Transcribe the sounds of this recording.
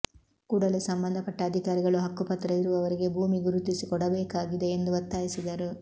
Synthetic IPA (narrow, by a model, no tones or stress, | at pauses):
kuːɽɐlusɐmbɐnd̪ʱɐpɐʈːɐːd̪ʱikaːɾiɡɐɭuɦɐkːupɐt̪ɾɐiɾuʋɐʋɐɾiɡe̞bʱuːmiɡuɾut̪isikɔɽɐbɛːkaːɡid̪e̞ːnd̪uʋɐt̪ːaːjisid̪ɐɾu